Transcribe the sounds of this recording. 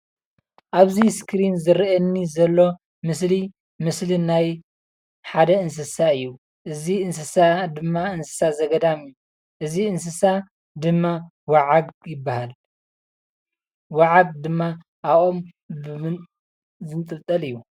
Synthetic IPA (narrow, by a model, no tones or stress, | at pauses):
ʔaβziskʰɾinzɨɾɛnːizɐlːo̞ | mɨsli | mɨslinaj | ħad̪ɐɨns̬ɨsaɨjːu | ʔɨziɨnsɨsad̪ɨmːaɨnsɨ̥sazɐɡɐd̪amɨjːu | ʔɨziɨnsɨsa | d̪ɨmːa | waʕaɡ̚jɪbːahal | waʕaɡ̚d̪ɨmːa | ʔaom | b | zɨnt̪ʼɨβt̪ʼɐlɨjːu